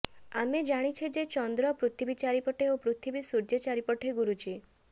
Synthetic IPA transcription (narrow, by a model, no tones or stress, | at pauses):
amed͡ʒaɽ̃it͡ʃʰid͡ʒet͡ʃɔnd̪ɾɔpɾut̪ʰibit͡ʃaɾipɔʈʰeopɾut̪ʰibisuɾd͡ʒet͡ʃaɾipɔʈʰeɡuɾud͡ʒi